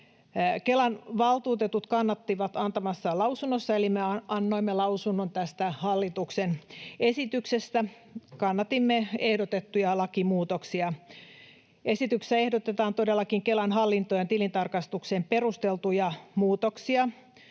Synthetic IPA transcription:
kelɑnʋɑlt̪uːt̪et̪ut̪kɑnːɑt̪ːiʋɑt̪ɑnt̪ɑmɑsːɑlɑusunːosːɑelimeɑɑnːoimːelɑusunːont̪æst̪æhɑlːit̪uksenesit̪yksest̪æ | kɑnːɑt̪imːeehdot̪et̪ːujɑlɑkimuːt̪oksiɑ | esit̪yksæehdot̪et̪ɑːnt̪odelːɑkiŋkelænɦhɑlːint̪ojent̪ilint̪ɑrkɑst̪ukseːmperust̪elt̪ujɑmuːt̪oksiɑ

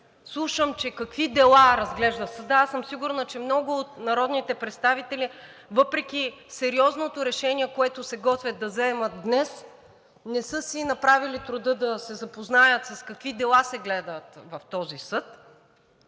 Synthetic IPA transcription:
slˠuʃəmt͡ʃɛkɐkvid̪ɛlˠaɾɐzɡlɛʒd̪əsɐd̪əasɤmsiɡʊɾnət͡ʃɛmnɔɡʊːt̪̚nɐɾɔd̪nit̪ɛpɾɛt̪st̪avit̪ɛli | vɤpɾɛkʲisɛɾiɔznot̪ʊɾɛʃɛniɛkoɛt̪ʊsɛɡɔt̪vʲəd̪̚ːɐzɛmət̪̚d̪nɛs | nɛsɤsinɐpɾavilit̪ɾʊd̪ɤd̪ɐsɛzɐpoznajət̪sɐskɐkvid̪ɛlˠasɛɡlɛd̪ət̪vɐft̪ɔzisɤt̪

